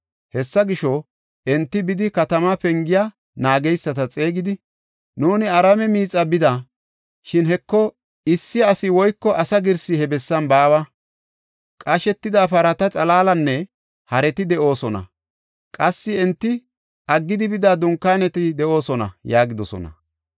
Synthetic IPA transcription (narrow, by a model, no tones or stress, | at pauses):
hɛsːɐɡɪʃɔ | ʔɛnt̪ːɪbɪd̪ɪkɐt̪ɐmɐpɛŋɡɪja | naːɡɛjsːɐt̪ɐt͡sʼeːɡɪd̪ɪ | nuːnɪɐɾɐmɛmiːt͡sʼːɐbɪd̪ɐ | ʃɪnhɛkːɔ | ɪsːɪɐsɪwɔjkːɔʔɐsɐɡɪɾsɪhɛbɛsːɐnbaːwɐ | kʼɐʃɛt̪ːɪd̪apɐɾɐt̪ɐt͡sʼɐlaːlɐnːɛ | hɐɾɛt̪ɪd̪ɛʔo̞ːsɔnɐ̰ | kʼɐsːɪɛnt̪ːɪ | ʔɐɡːɪd̪ɪbɪd̪aːd̪ʊŋkːaːnɛt̪ɪd̪ɛʔo̞ːsɔnɐ̰jaːɡɪd̪ɔsɔ̰nɐ̰